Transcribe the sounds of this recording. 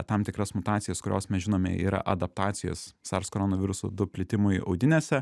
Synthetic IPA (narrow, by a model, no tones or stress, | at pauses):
t̪ɐmt̪ʲɪkɾɐsmʊt̪ɑːt̪sʲɪjɛskʊɾʲoːsmʲɛsʒʲɪnoːmʲɛ̰ʔḭːɾɐ̰ʔɐd̪ɐp̚t̪ɑːt̪sʲɪjo̰ssɐɾskoɾoːnoʋʲɪɾʊso̰d̪ʊpʲlʲɪt̪ʲɪmʊjɐ̰ʊd̪ʲɪnʲeːsʲɛ